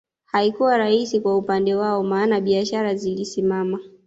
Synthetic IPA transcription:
haikuwaɾaisikwaupandɛwaɔmaːnaɓiaʃaɾazilisimama

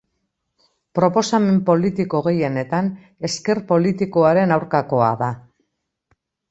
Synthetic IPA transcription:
pɾo̞po̞same̞mpo̞lit̪ikoɣ̞e̞je̞ne̞t̪an | e̞ske̞ɾpo̞lit̪iko̞aɾe̞nawɾkako̞a̰ða

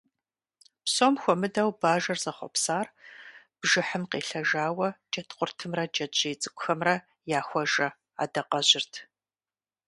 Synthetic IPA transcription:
psomxʷɔmɨdɐwbaːʒɐrzɐχʷɔ̰psaːr | b̥ʒɨħəmqeːɬɐʒaːwɐd͡ʒʼɐtʰqʷʼʊrtʰɨmrɐd͡ʒɐt͡ʃʼejt͡sʼɨkʷʼʊxɐmrɐ | jaːxʷɔʒɐ | a̰ːdɐqɐʑɪrtʰ

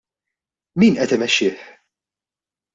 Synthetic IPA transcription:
miːnʔɛt̪ɪmɛʃːɪːħ

